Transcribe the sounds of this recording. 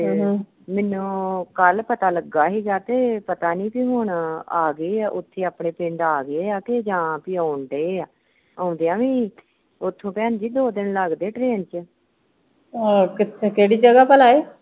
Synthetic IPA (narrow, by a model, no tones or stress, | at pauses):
mɛːnũːkəlpət̪aːləɡːaːɦiːɡaːt̪eːpət̪aːnĩːpiːɦʊɳaːɡəiːaːʔʊt̪ʰːeːaːpɳeːpɪ̃ɳɖaːɡeːaːked͡ʒãːpiːaːʊɳɖ̪eeːaː | aːʊ̃nd̪eːaːʋĩː | ʊt̪ʰːõːpɛːnd͡ʒiːd̪oːd̪ɪnləɡd̪eːʈɾeːnt͡ʃə | okɪtekeːɽiːd͡ʒəɡaːpəlaːeː